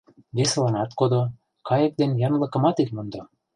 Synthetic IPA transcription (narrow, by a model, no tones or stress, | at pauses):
beslˠɑnɑt̪kod̪o | kɑjɤ̆k̚d̪enjɑnlˠɤ̆kɤ̆mɑt̪ekʲmɤ̆nd̪o